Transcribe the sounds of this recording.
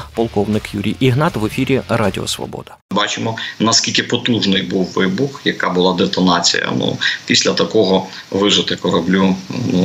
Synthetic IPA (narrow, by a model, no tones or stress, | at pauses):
pɔlˠkɔwnɪkjuɾʲijʔiɦnɑt̪ʋefʲiɾʲirɑdʲiɔ̰sʋɔ̰bɔ̰d̪ɐ̥bɑt͡ʃɪmɔnɐskʲilʲkɪpɔt̪uʒnɪjbuwːɪbʊxjɐkɑbʊlˠɑd̪et̪ɔnɑt͡sʲḭjɐ̰nṵpʲisʲlʲɐt̪ɐkɔɦɔʋɪʐɪt̪ɪkɔɾɐblʲunu